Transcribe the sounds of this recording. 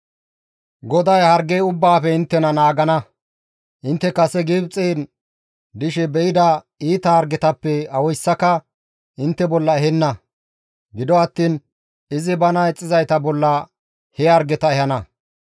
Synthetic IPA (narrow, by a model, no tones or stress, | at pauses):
ɡɔd̪ɐjhɐɾɡejʊbːaːfɛɪnt̪ːɛnɐnaːɡɐnɐ | ʔɪnt̪ːɛkɐsɛɡiːbt͡sʼːeːn | d̪ɪʃɛbɛʔɪd̪ɐ | iːt̪ɐhɐɾɡɛt̪ɐpːɛɐwɔjsːɐkɐ | ɪnt̪ːɛbɔlːɐɛɦɛnːɐ | ɡɪd̪ɔɐt̪ːiːn | ɪzɪbɐnɐɛt͡sʼːɪzɐjt̪ɐbɔlːɐ | hɛɐɾɡɛt̪ɐɛhɐnɐ